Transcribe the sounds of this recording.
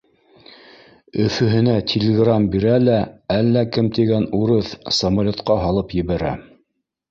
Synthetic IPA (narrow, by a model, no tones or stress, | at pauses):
ɵ̆fɵ̆ɦɘ̆næt̪ʲʰɪlʲɪɡrambiɾælæælːækɘmt̪iɡænuɾɤθsɐmalʲot̪qɑɦɑlˠɤpjɘ̆βæɾæ̰